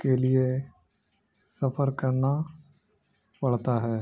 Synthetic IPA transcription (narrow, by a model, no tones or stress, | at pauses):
kelie | sɐpʰəɾkəɾna | pəɭt̪aɦɛː